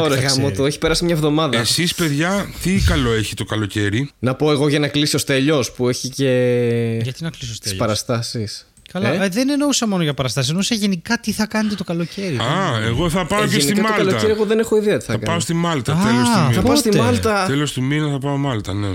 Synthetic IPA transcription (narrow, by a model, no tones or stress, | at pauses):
oɾeɣɐmot̪oeçi̥pe̞ɾɐsimɲɐevðo̞mɐðɐesispe̞ðʝɐt̪ikɐlo̞eçit̪o̞kɐlo̞ce̞ɾinɐpo̞e̞ɣo̞ʝɐnɐkliso̞st̪e̞ʎo̞spue̞çice̞ʝɐt̪inɐklisost̪e̥sspɐɾɐst̪ɐsis | kɐlɐeðeneno̞usɐmo̞noʝɐpɐɾɐst̪ɐsisnousɐʝenikɐt̪iθɐkɐnet̪̬et̪o̞kɐlo̞ceɾiɐeɣoθɐpɐoeesniikɐmt̪oɐlkɐlo̞ceɾieɣo̞ðe̞ne̞xo̞iðiɐt̪iθɐɐkɐpɐost̪imɐlt̪ɐɐelosiɐpɐost̪immɐlt̪ɐelost̪iminɐθɐpɐomɐlt̪ɐne